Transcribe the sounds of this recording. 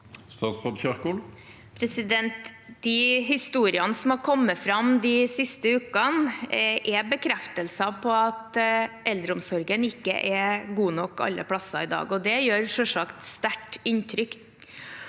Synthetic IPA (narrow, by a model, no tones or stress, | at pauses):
st̪ɑːt̪sfɔd̪çɑʁkul | pʰɾɛsɪd̪ɛnt̪d̪ɪɦɪst̪uːɾɪɑnsɔm̩hɑɾkʰɔmːəfɾɑmd̪ɪsɪst̪əʉːkənʔɛbəkʰɾɛft̪əlsɑpʰɔɑt̪ʔɛld̪ɾəʊmsɔɾɡənɪkːə̰ʔɛɡuːnɔkːɑ̰lːə̰pʰɽɑsɑ̰ɪd̪ɑ̰ːɡɔd̪ɛjøːɾʂɔʂɑkt̪st̪æʈɪnt̪ʰɾʏk